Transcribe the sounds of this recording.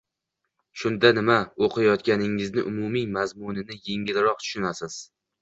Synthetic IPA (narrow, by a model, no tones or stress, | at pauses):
ʃʊnd̪anɪmaoqʰɪjjɒt̪kʲanɪŋɪznɪʔʊmʊmimazmʊnɪnɪje̞ŋɪlɪɾɒq̚t̪ʰʊ̥ʃʊnasɪz̥